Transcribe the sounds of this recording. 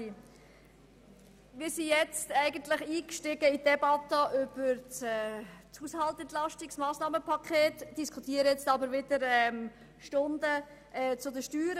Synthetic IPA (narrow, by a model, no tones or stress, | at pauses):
ʋiːsijɛt͡stæɪɡən̩t̪lɪχiːkʃtɪɡəid̥ɛbɑt̪əʔʏb̥əɾt͡sɛt͡shuːshɑltɛnt̪lɑʃtɪksmɑːsnɑːməpʰɑkʰχeːtd̥iskʰut̪iːəɾəjɛt͡stɑbəɾʋɪd̥əɾɛm | ʃtʊnd̪ə | ʔɛːt͡sʊdəʃtyːɾə